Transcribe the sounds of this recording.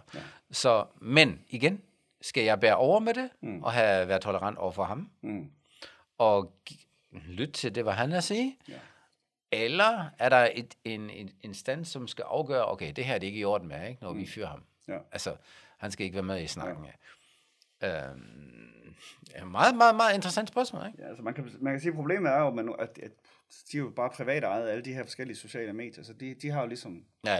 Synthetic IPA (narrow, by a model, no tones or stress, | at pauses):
sɒ̽meniɡ̥en | sɡ̥æjɑ̈ɪb̥æːɐʔɒʊɐmeɾ̥e̝ʔɒ̽ɦæʋæːɐ̥t͡sʰoləʁɑ̈n̰d̥ɒʊɐfɒɦɑ̈m | ɒ̥ | lyd̥̚t͡sʰe̝ld̥e̝ʋɑ̈ɦænæsiː | elɐæɐɾɑ̈ed̥enensd̥æn̰sːɒ̽msɡ̥æʔɑ̈ʊɡ̥œːɐʔo̰ʊkʰeɪd̥e̝hæɐd̥e̝e̝ɡ̥əjo̝ɐd̥̚n̩meeɡ̥nɒʋifyɐ̰hɑ̈m | ælsə | hænsɡ̥æeɡəʋæːɐmeðˠisnɑ̈ɡ̥n̩æ | ø | mɑ̈ːð̩ˠmɑ̈ːð̩ˠmɑ̈ːð̩ˠe̝nd̥ʁəsæn̰d̥spɶɐsmɔ̰ːleɡ̥ælsəmænkʰæmænkʰæs̬iːpʰʁo̝b̥le̝̰ːmð̩æɐjomænæ̥æ | d̥iæjob̥ɑ̈ːpʰʁiʋɛ̰ːɾɑ̈ɪð̩ˠæləd̥iheɐfɒ̽sɡ̥el̰iəso̝ɕɛ̰ːləme̝ːd̥jɐsɒ̽d̥id̥iɦɑ̈jo̝lisɒ̽m | jæ